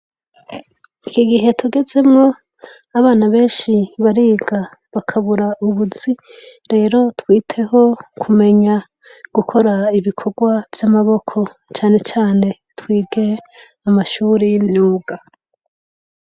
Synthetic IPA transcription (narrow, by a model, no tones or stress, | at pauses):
ikiɡiɦe̞tʰuɡe̞ze̞mŋo̞ | aβaːnaβe̞ːnʃiβaɾiːɡa | βakʰaβuɾaʔuβuz̥iɾe̞ːɾo̞twiːtʰe̞ɦo̞kʰume̞ɲa | ɡ̥ukʰo̞ɾaiβikʰo̞ɡwavjamaβo̞kʰo̞ | t͡ʃaːne̞t͡ʃaːne̞ | twiːɡe̞ | amaʃuːɾejimɲuːɡa